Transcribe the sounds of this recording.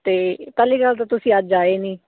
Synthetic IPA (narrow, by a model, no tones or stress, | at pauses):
t̪eːpɛːliːɡəlt̪ãːt̪ʊsĩːəd͡ʒd͡ʒaːeːniː